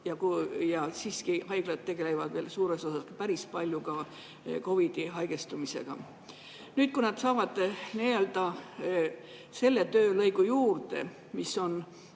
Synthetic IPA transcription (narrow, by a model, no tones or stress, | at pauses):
jɑkjɑsiːskihɑjɡ̥lɑd̪̚t̪ːe̞ɡ̥e̞le̞vɑd̪ve̞ːlsuːɾe̞so̞sɑskɑpæɾispɑlʲjukɑ | ko̞vid̪̥iɦɑjɡ̥e̞st̪umise̞̰ɡ̥ɑ̰ | nyːt̪̚kunɑd̪̥sɑːvɑd̪̥nield̪ɑ | se̞lːe̞t̪øːlɤ̞jɡ̥ujuːrd̪e̞̰ | misːo̞n